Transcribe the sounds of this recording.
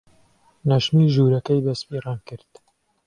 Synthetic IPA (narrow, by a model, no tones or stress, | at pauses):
nɐʃmiːʒuːɾɐkɐjbɐspiːrɑːnkɨɾd̪̥